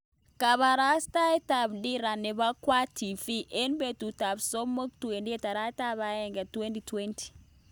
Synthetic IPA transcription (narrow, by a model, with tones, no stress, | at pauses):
ka˨βa˨ɾa˦sta˦ɛ˦ta˨b̚di˦ɾa˨ne˨ba˦kwa˦tʰi˨fi˦ʔe˦nbe˨tu˨ta˨bso˦mə˦k̚twe˨ndi˦ɛ˨ta˨ɾa˦ta˦ba˦ɛ˦ŋɡɛ˨twe˦nti˨twe˦nti̥˨